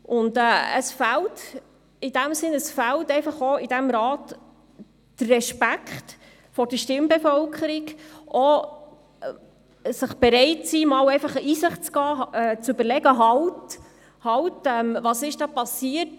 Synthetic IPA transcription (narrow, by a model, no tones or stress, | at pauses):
ʔʊndɛːə̰sfælt | id̥æmsɪnəsfæltɛɪfɑχoɪd̥æmɾɑːt | d̥ərːɛʃpækχt | fɔɾd̥əʃtɪmbɛfœlkʰχəɾikʔo | səχb̥ɛɾɛɪtsiːmɑwɛɪfɑχəʔiːsɪχtt͡sɡ̥ɑːɛːt͡sʉbəɾlɛɡəɦɑwt | hɑwtɛmvɑsɪʃd̥ɑːpɑsiːəɾt